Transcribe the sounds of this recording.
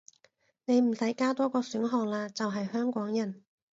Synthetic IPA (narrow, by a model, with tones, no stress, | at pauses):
ne˨˧jm̩˨˩sɐ˨˥jkaː˥t̪ɔː˥kɔː˧syː˨˥nɦɔː˨k̚laː˧t͡sɐ˨wɦɐ˨jhœː˥ŋkʷɔː˨˥ŋjɐ˨˩n